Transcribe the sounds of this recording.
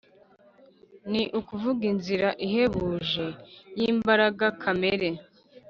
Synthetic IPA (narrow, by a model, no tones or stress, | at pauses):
niʔukuvuɡinziɾaʔihe̞βuːʒe̞jiːmbaɾaɡakʰame̞ɾe̞